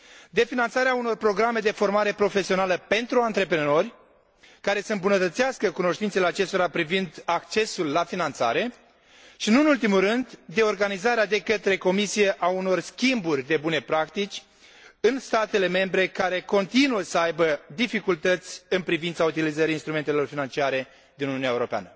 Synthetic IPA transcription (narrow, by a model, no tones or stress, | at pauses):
d̪e̞finant̪saɾeauno̞rpɾo̞ɡɾame̞d̪e̞fo̞rmaɾe̞pɾo̞fe̞sio̞naləpe̞nt̪ɾuant̪ɾe̞pɾeno̞rʲ | kaɾe̞səɨmbunət̪ət̪siaskəkuno̞ʃt̪insele̞at͡ʃe̞st̪oɾapɾivind̪akt͡ʃe̞sulːafinant̪sa̰ɾe̞ | ʃinunult̪̬imurɨnd̪ːe̞o̞rɡanizaɾead̪e̞kət̪ɾe̞ko̞misije̞ʔauno̞rskʲimburʲd̪e̞bune̞pɾakt̪it͡ʃʲ | ɨnst̪at̪e̞le̞me̞mbɾe̞kaɾe̞ko̞nt̪inuəsəajbəd̪ifikult̪ət̪sʲɨnpɾivint̪saut̪ilizəɾʲinst̪ɾume̞nt̪elo̞rfinant͡ʃiaɾe̞ | d̪inununaeuɾopea̰nə